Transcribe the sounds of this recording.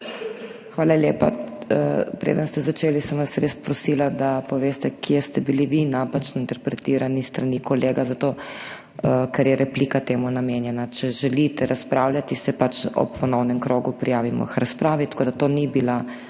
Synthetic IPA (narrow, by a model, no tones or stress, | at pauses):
xʋaːlaljeːpa̰ | pɾḛːd̪ənst̪ɛzat͡ʃeːlisəmʋasɾespɾɔsiːlad̪apɔʋeːst̪ɛkiɛst̪ɛbiliʋinaːpat͡ʃnɔint̪ɛɾpɾɛt̪iːɾanist̪ɾanikɔleːɡazat̪oː | kɛɾjɛɾɛpliːkat̪eːmunameːnjɛnat͡ʃɛʒɛlit̪ɛɾaspɾaːwlʲat̪isɛpat͡ʃɔ̰pʰːɔnɔwnɛmkɾoːɡupɾijaːʋimɔ̰xɾaspɾaːʋit̪ḁkoːd̪at̪oːnibila